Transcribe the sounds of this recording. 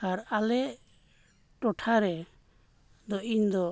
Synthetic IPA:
aɾalɛ | ʈɔʈʰaɾɛ | d̪ɔʔiɲd̪ɔ

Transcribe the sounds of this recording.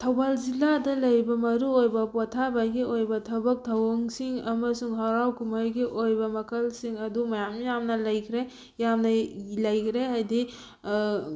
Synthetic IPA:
tʰɐwbalziladɐlɐjbɐmɐɾuojbɐpɔtʰabajɡiojbɐtʰɐbɐk̚tʰɐwɐŋsiŋɐmɐsuŋɦɐɾawkumajɡiʔojbɐmɐkʰɐlsiŋɐdumɐjamjamnɐlɐjkʰɾe | jamnɐlɐjkʰɾeɦajdi

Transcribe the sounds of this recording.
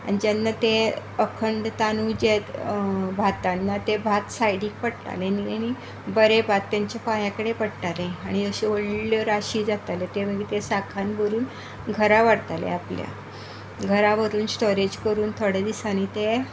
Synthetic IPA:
a̰ɽ̃it̪anːat̪e | əkʰəɳɖt̪anud͡ʑebʱat̪anːat̪ebʱat̪sajɽiːk̚pəɽʈ̪a̰leniañi | bəɾebʱat̪ːaɲt͡ɕapajãkəɽepəɽʈaleaɽ̃iəɕeoɽləɾaɕiːd͡zat̪alet̪em̤əɡit̪esakʰanbʱəɾuːn | ɡʱəɾaʋaɽt̪alḛaplja̰ | ɡʱəɾaʋəɾuːnsʈoɾed͡ʑkəɾuːnt̪ʰoɽed̪isanit̪e

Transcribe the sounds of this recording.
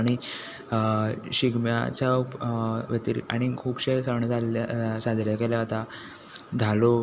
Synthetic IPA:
ɽ̃i | ɕiɡmja̰t͡ɕjapʋjət̪iɾ̰a̰ɽ̃ikʰuːbɕesəɳd͡zʱalasad̪ɾjakeljaat̪a | d͡z̪ʱalo

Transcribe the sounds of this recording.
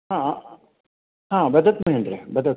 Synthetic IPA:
ɦã | ɦãːbɐd̪ɐt̪mɐɦend̪ɾebɐd̪ʱɐt̪

